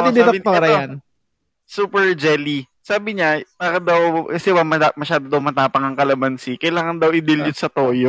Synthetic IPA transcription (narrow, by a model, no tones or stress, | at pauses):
d̪ɪd̪ɪɐpaɾɐjan | suːpɛɹd͡ʒɛli | saːbɪɲapaːɾɐd̪ɐwkɐsɛwɐmɐamɐʃaːd̪od̪ɐwmɐt̪aːpɐŋɐŋkɐlɐbɐnsɪkɐjlaːŋɐnd̪ɐwʔɪd̪ɪljʊnsɐt̪oːjo